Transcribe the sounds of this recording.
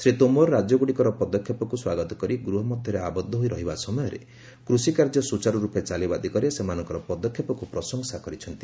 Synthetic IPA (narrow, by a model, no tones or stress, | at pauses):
sɾit̪omɔɾɾad͡ʒɔɡuɽikɔɾɔpɔd̪ɔkʰːjɔpɔkuswaɡɔt̪ɔkɔɾiɡɾuɦɔmɔd̪ʱjɔɾeabɔd̪ʱːɔɦoiɾɔɦibasɔmɔjɔɾḛ | kɾusikaɾd͡ʒɔsut͡ʃaɾɔɾupet͡ʃalibad̪ikɔɾesemanɔŋkɔɾɔpɔd̪ɔkʰːjɔpɔkupɾɔsɔŋsakɔɾit͡ʃʰɔnt̪i̥